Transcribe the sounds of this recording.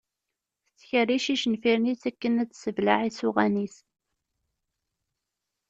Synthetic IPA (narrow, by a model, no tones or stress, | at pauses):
θət͡sːçəriʃiʃənfiɾniθækːənæt͡sːsəvlaʕisʊʁænis